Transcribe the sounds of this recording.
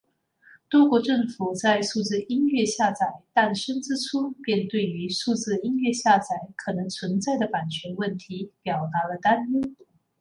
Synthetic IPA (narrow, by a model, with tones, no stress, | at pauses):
t̪wɔ˥kwɔ˧˥ʈ͡ʂɤ˥˩ŋfu˨˩t͡sa˥˧ɪʂu˥˧t͡sɹ̩˥˧i˥nɥɛ˥˧ɕja˥˩t͡sa˨˩ɪt̪a˥˩nʂə˥nt͡sɻ̩˥ʈ͡ʂʰu˥pjɛ˥˧nt̪we˥˩ɪy˧˥ʂu˥˧t͡sɹ̩˥˧i˥nɥɛ˥˧ɕja˥˩t͡sa˨˩ɪkʰɤ˨˩nɤ˧˥ŋt͡sʰwə˧˥nt͡sa˥˩ɪd̪ə˩pa˨˩nt͡ɕʰɥɛ˧˥nwə˥˩nt̪ʰi˧˥pjɑ˨˩ʊt̪a˧˥lə˧t̪a˥ni˥ŋ